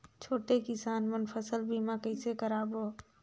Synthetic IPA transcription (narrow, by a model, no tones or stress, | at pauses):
t͡ʃʰoːʈekɪsaːnmənpʰəsəlbʱimakəɪsekəɾaːbo